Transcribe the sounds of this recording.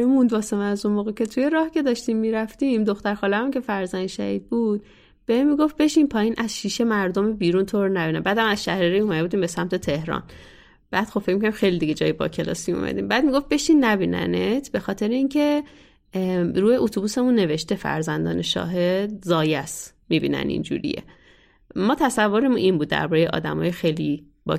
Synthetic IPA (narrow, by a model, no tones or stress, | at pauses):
ɾemund̪bɒːsemææzunmoːɣecʲe̞t̪ʰujeɾɒːhcʲe̞d̪ɒːʃt̪imːiːɾæft̪imd̪oxt̪æɾxɒːlææmumkʲcʰe̞fæɾzænd̪ʃæ̰hid̪̚bud̪̥̚ | b̥emːiɡo̞ft̪̚be̞ʃinpʰɒːjiːnʔæz̥ʃiːʃe̞mæɾd̪omebiːɾunt̪ʰoɾnæbiːnæmbæːd̪æmæzʃæhɾiɾiumæd̪euːd̪iːmbe̞sæmt̪ʰe̞t̪ʰe̞hɾɒ̰ːn | b̥æːd̪̥xo̞b̥fecʲmikoæɾimxejlid̪iɡe̞d͡ʒɒːjebɒ̰cʰe̞lɒ̰ːsiṵmʔæ̰d̪ḭːmbæːd̪̚miɡo̞ft̪̚be̞ʃinːæbinæ̰net̪ʰb̥e̞xɒːt̪ʰe̞ɾeincʰe̞ | ɾuːheʔot̪ʰubuːse̞munːe̞ve̞ʃt̪e̞fæ̰ɾzænd̪ɒːneʃɒ̰ːɦe̞d̪zɒːjæs | mibḭːnæ̰nḭnd͡ʒṵːɾḭjḛ | mɒːt̪ʰæsævːoɾemunʔinbud̪̚ːæ̰ɾbɒːɾejeʔɒ̰ːd̪æmɒːjexejli | bɒ̰